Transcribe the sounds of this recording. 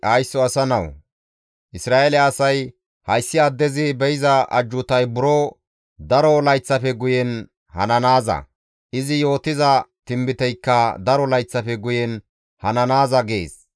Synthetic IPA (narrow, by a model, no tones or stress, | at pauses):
ʔɐjsːɔɐsɐnɐw | ʔɪsɾaːelɛːsɐj | hɐjsːɪad̪ːɛzɪbɛjɪzɐʔɐ̰d͡ʒːʊt̪ɐjbʊɾɔ | d̪ɐɾɔlɐjt͡sːɐfɛɡʊjɛn | hɐ̰nɐnaːzɐ̰ | ʔɪzɪjo̞ːt̪ɪzɐt̪ɪmbɪt̪ɛjkːɐd̪ɐɾɔlɐjt͡sːɐfɛɡʊjɛn | hɐnɐnaːzɐɡḛːs